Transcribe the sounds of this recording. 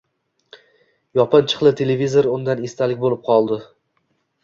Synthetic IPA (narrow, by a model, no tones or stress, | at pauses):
jɒpʰɨnt͡ʃʰɨ̥qlˠɪt̪ʰe̞levizoɾʊnd̪anest̪ʰalɪk̚ʲbolɪp̚qʰɒlˠd̪ɪ